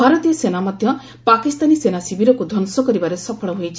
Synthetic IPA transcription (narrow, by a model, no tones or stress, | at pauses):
bʱaɾɔt̪ijɔsenamɔd̪ʱjɔ | pakist̪anisenasibʱiɾɔkud̪ʱɔnsɔkɔɾibaɾesɔpʰɔɭɔɦojt͡ʃʰi